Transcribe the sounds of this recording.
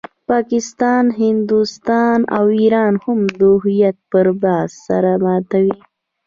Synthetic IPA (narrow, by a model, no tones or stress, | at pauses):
pɑkɪst̪ɑnɦɪnd̪ust̪ɑna̰wiɾɑnhʊmd̪ʊɦijat̪̚pəɾbɑzsa̰ɾamɑt̪awi